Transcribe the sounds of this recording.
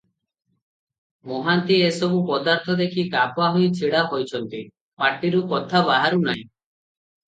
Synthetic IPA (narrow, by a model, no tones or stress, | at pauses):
moɦant̪iesɔbupɔd̪aɾt̪ʰɔd̪ekʰikapoaɦojt͡ʃʰiɽaɦojt͡ʃʰɔnt̪i | paʈiɾukɔt̪ʰabaɦaɾunaɦĩ